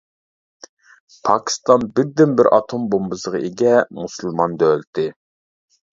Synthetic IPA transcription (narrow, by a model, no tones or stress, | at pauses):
pʰɑkʲʰi̥st̪ɑnbɪɾd̪ɪnbɪɾʔɑ̰t̪ʰombombɨzəʁɑeɡʲɛmusɨlˠmɑnd̪ølt̪ʰɪ